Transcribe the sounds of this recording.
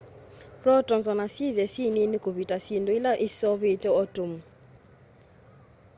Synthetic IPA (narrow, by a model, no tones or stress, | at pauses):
prɔtʼɔnzɔnasivɛsininiɡ̥ʱoβitʼasindʼɔilaʔisɔβetʼɛɔtʼomu